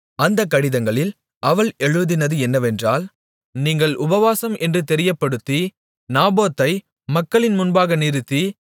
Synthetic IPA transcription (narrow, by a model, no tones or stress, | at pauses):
ɐnd̪ɐkːɐɽɪðɐŋɡɐɭɪl | ʔɐʋɐɭɛɻɯðɪnɐðɯɛnːɐʋɛndraːl | niːŋɡɐɭʔʊbɐʋaːsɐmʔɛndrɯt̪ɛɾɪjɐpːɐɽɯt̪ːi | naːboːt̪ːɐɪ | mɐkːɐɭɪnmʊnbaːɣɐnɪɾɯt̪ːi